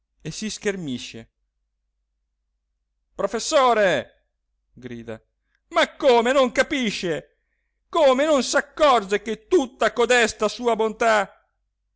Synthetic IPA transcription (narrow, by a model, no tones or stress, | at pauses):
esisk̟ermiʃːḛ | pɾofesːoːɾe | ɡɾḭːd̪a̰ | makːoːmenoŋkapiʃːe | koːmenonsakːɔrd͡ʒek̟et̪ːut̪ːakod̪ɛst̪asuːabont̪a